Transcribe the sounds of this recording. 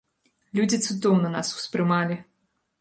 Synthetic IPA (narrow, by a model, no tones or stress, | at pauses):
lʲud͡zʲit̪sɨd̪ɔwnɐna̰su̥spɾɨmalʲi